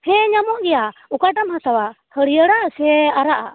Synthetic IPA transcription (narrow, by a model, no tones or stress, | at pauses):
hɛ̃ɲamɔʔɡɛjaukaʈamhat̪awahəɽijəɽasɛaɾaʔa̰